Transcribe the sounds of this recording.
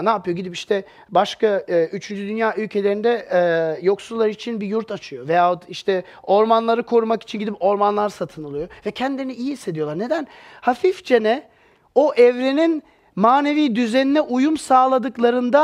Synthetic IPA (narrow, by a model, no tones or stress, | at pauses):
naːpɯjo̞ɟid̪ipiʃt̪ʰɛ | baʃkayt͡ʃʰynd͡ʒyd̪ynjaːʔylʲcʰe̞lʲeɾind̪ɛjo̞ksulˠːaɾɯit͡ʃʰinbijuɾt̪ʰat͡ʃʰɯjo̞vejaːot̪iʃt̪ʰɛ | o̞ɾmanlˠaɾɯkʰo̞ɾumaki̥t͡ʃʰinɟid̪ipo̞ɾmanlˠaɾsat̪ʰɯnɯlˠɯjo̞vɛcʰɛnd̪ʲiɾniijihisːe̞d̪ijo̞lˠaɾne̞d̪ænhafifd͡ʒenɛ | oʔɛvɾenin | maːne̞viːd̪yzeninɛʔujumsaːlˠad̪ɯklˠaɾɯnd̪a